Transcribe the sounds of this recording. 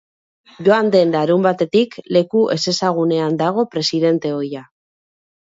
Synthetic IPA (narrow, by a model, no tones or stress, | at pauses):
ʝo̞and̪e̞nlaɾumbat̪e̞t̪ikle̞kuʔe̞se̞saɣ̞une̞and̪aɣ̞o̞pɾe̞siðe̞nt̪e̞o̞ja